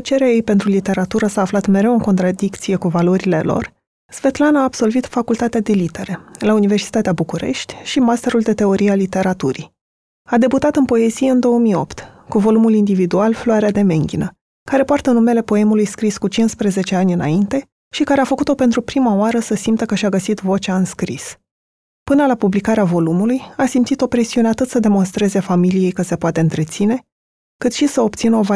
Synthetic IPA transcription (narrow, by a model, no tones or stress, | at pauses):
t͡ʃe̞ɾeaje̞jpe̞nt̪ɾulit̪e̞ɾat̪uɾəsaːflat̪me̞ɾe̞wɨŋko̞nt̪ɾad̪ikt̪sije̞kuvalo̞ɾile̞lo̞̰r | z̥ve̞t̪lanaːb̥so̞lvit̪fakult̪at̪ead̪e̞lit̪e̞ɾe̞launive̞rsi̥t̪at̪eabukuɾe̞̰ʃt̪ʲʃimast̪e̞ɾuld̪e̞t̪e̞o̞ɾialit̪e̞ɾat̪uɾḭ | ad̪e̞but̪at̪ɨnpo̞e̞zijeɨnd̪o̞əmijo̞̰pt̪ | kuvo̞lumulind̪ivid̪ualfloaɾead̪e̞me̞ŋɡʲinə | kaɾe̞poart̪ənume̞le̞po̞e̞mulujskɾiskut͡ʃinspɾeze̞t͡ʃe̞anʲɨna̰int̪e̞ | ʃikaɾe̞afəkut̪o̞pe̞nt̪ɾupɾimaoaɾəsəsimt̪əkəʃaɡəsit̪vo̞t͡ʃaɨnskɾis | pɨnəlapublikaɾeavo̞lumulujasimt̪sit̪o̞pɾe̞siune̞at̪ɨt̪səd̪e̞mo̞nst̪ɾe̞ze̞familije̞jkəse̞poat̪e̞ɨnt̪ɾe̞t̪sine̞ | kɨt̪ʃisəo̞p̚t̪sinəo̞va